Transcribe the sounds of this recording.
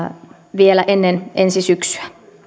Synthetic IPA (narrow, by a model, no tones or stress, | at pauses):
ʋielæʔenːenʔensisyksy̥æ